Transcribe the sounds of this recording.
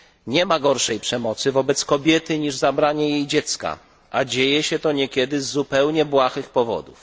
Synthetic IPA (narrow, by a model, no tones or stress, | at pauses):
ɲɛmaɡɔɾʂɛjpʂɛmɔt̪sɘvɔbɛt̪skɔbʲjɛt̪ɘɲiʐzabɾaɲɛjejd͡ʑɛt̪ska̰ | ʔad͡ʑejɛɕɛt̪ɔɲɛkʲɛd̪ɘzːupɛwɲɛbwaxɘxpɔvɔ̰d̪uf